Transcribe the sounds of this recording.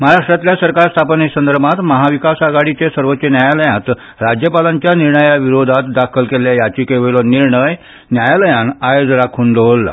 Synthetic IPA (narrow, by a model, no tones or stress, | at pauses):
məɦaɾaʂʈɾat̪ljasəɾkaɾst̪ʰapnesənd̪əɾbat̪məɦaʋikasaɡaɽit͡ɕesəɾʋət͡ɕenjajaləjãt̪ | ɾad͡ʑjəpalaɲt͡ɕjaniɾɳəjaʋiɾod̪ʱat̪d̪akʰəlkeljajat͡ɕiːkeʋəlɔniɾɳəj | njajaləjanajod͡zɾakʰuːnd̪oʋlːa̰